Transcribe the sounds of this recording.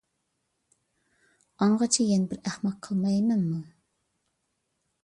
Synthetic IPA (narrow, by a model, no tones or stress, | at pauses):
ɑɴʁɑt͡ʃʰijɛnbɪɾæχmɑqʰːəlˠmɑjmɛnmu